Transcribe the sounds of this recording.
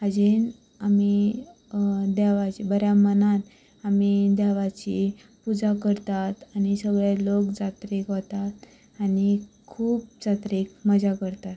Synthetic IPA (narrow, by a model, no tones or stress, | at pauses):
əd͡ʑin | ami | d̪ɛʋat͡ɕibəɾjamənãt̪ | amid̪aʋat͡ɕi | pud͡zakəɾt̪at̪añisəɡɭelokd͡zat̪ɾikɦot̪at̪ | anikʰuːp̚d͡zat̪ɾikməd͡zakəɾt̪at̪